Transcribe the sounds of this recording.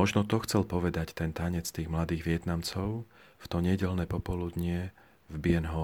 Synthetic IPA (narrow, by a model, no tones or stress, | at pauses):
ɔʒnɔt̪ɔxt͡sɛlpɔʋɛd̪act̪ɛnt̪aɲɛt͡st̪iːɣmlad̪iːɣʋɪɛt̪namt͡sɔʊft̪ɔɲɛɟɛlnɛpɔpɔlud̪ɲɪɛ | vbɪɛnɦɔ